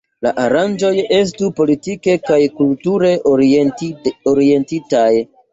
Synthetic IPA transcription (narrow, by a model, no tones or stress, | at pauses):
la̰ʔaɾand͡ʒo̞je̞s̬tupo̞litike̞kajkultuɾe̞ʔ | oɾie̞ntitaj